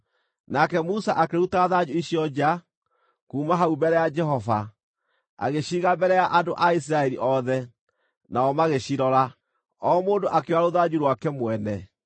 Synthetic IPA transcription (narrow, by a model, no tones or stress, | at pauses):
nakɛmusaʔakeɾutaːðad͡ʒuiɕijɔd͡ʑa | kuːmaɦaubɛɾɛjad͡ʒɛɦɔva̰ | a̰ɣeɕiːɣabɛɾɛjaʔadoʔais̬iɾaɛɾiʔɔðɛ | naɔmaɣeɕiɾɔɾa | ɔmoːndoʔakewaɾoðad͡ʒuɾwakɛmwɛnɛ